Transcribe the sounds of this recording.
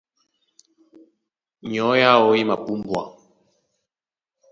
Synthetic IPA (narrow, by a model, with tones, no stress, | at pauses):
ɲɔ˨˦ja˦ɔ˦i˦ma˨pu˦mbwa̰˨